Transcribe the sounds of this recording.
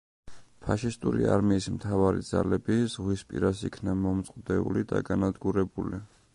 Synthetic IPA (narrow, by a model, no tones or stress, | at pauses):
pʰaʃist̪ʼuɾḭa̰ɾmiːsmt̪ʰavaɾḭd̪z̥alɛbizʁwispʼḭɾasikʰnamɔmt̪sʼqʼd̪ɛṵlid̪a̰ɡanad̪ɡuɾɛbuli